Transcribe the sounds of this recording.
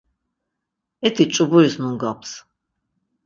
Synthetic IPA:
ɛt̪ʰit͡ʃʼubuɾisnuŋɡapʰs

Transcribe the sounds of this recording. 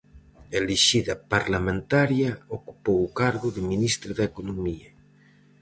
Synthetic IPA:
eleʃiðɐpaɾlamẽnt̪aɾjaoku̥powukaɾɣʊðɪminist̪ɾaðaekonomia

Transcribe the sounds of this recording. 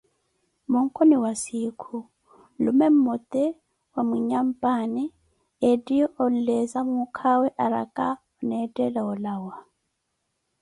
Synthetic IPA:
mɔŋ̩kʼɔniwasikʰu | lumɛm̩mɔt̪ʼɛ | wamiɲam̩pʼani | edijɔʔɔn̩lɛzamukʰawɛʔaɾa̰kʼa | ɔnɛdʼɛlaɔlawa

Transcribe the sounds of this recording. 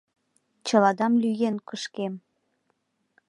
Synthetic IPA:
t͡ɕə̆lɑd̪ɑmlyjenkəʃkem

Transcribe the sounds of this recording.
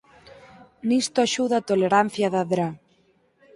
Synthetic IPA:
nist̪oaʃuðat̪oleɾan̟θjaðaðɾa

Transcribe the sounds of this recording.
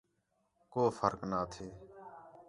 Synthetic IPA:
koːfəɾknaːt̪ʰeː

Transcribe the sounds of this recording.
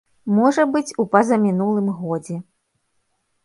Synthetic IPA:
mɔʐɐbɨt͡sʲupɐzɐmʲinulˠɨmɣɔd͡zʲɛ

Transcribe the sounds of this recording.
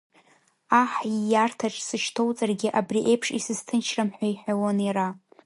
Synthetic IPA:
aħijartʰaʈ͡ʂʼsɨʃtʰo̞wt͡sʼarɡʲɪʔabriʔe̞jpʰʂisɨztʰɨnt͡ʃʰramħʷᶣaiħʷawonira

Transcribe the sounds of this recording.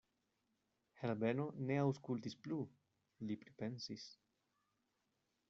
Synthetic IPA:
helbeno̞ne̞awskultisplu | lipɾipe̞nsis

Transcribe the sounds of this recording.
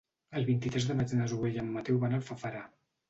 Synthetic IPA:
əlˠβint̪it̪ɾɛzðəmad͡ʒnazuβeʎəmːət̪ɛwβanəlˠfəfəɾa

